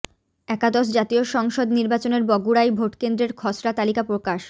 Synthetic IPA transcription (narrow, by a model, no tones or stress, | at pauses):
ɛkad̪oʃ̬d͡ʑat̪ioʃɔŋʃod̪niɾbat͡ɕoneɾbɔɡuɾajbʱoʈkend̪ɾeɾkʰɔsɾat̪alikapɾokaʃ